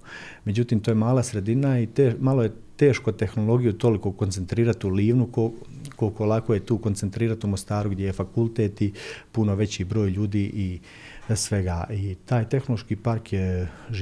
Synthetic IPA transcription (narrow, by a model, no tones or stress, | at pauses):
me̞d͡ʑut̪iːmt̪oːjemaːlˠasɾe̞d̪inait̪emalo̞je̞ | t̪e̞ːʃko̞t̪e̞xno̞lˠo̞ɡijut̪o̞likokont̪se̞nt̪ɾiːɾat̪uliːʋnuko | kokolˠakoje̞t̪uːko̞nt̪se̞nt̪ɾiːɾat̪umost̪aːɾuɡd̪jejefakulˠt̪eːt̪ipuno̞ʋe̞t͡ɕiːbɾo̞ːjʎuːd̪iːʔi | sʋe̞ɡaːʔit̪aːjt̪e̞xnolˠoʃkiːpaɾkjeʒ